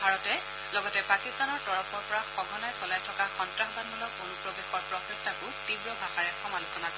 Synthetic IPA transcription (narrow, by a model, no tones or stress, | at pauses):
bʱaɹɔtɛ | lɔɡɔtɛpakistanɔɹtɔɹɔpʰɔɹpɔɹaxɔɡʱɔnajsɔlajtʰɔkaxɔntɹaxbanbulɔkonupɹɔbexɔɹpɹɔsestakʊtibɹɔbʱaxaɹɛxɔmalusɔnakɔ